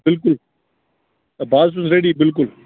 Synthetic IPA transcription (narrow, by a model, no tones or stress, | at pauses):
bɪlk̬ʊl | baːd̪s̬ʊ̃nzɾeːɽiːbɪlk̬ʊl